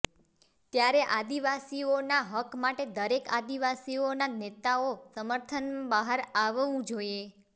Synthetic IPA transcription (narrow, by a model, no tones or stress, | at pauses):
t̪jaɾeʔad̪iʋasionaɦəkmaʈed̪əɾeka̰d̪iʋasionanet̪aosəməɾt̪ʰənbaɦəɾaʋũd͡ʒoie